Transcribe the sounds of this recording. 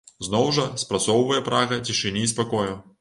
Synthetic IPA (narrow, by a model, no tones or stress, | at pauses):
znɔwʐɐspɾat̪sɔwvɐjɛpɾaɣɐt͡sʲiʂɨnʲiːspakɔju